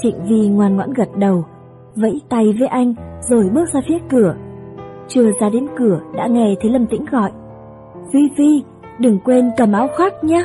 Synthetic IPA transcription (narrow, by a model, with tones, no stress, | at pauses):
t͡ɕḭ˧˨ŋ̟vi˧˩ŋwaː˨˩nŋwa̰ː˧˥nɣə˨˩t̚ɗə˨˩w | və̰˧˥jt̪a˧˩jve˨˦jʔa˧jŋ̟zo˨˩jɓɨ˦˥ək̚zaː˧fi˨˦əkɨ˧˩ə | t͡ɕɨ˨˧˩əzaː˧ɗe˨˦nkɨ˧˩əɗa̰ː˧˥ŋɛ˧˩t̪ʰe˨˦lə˧˩mt̪ḭ˧˥ŋ̟ɣɔ̰˧˨jʔ | vi˧vi˧ | ɗɨ˨˩ŋkwe˧nkə˨˩mʔaː˨˦wxaː˦˥k̚ɲaː˧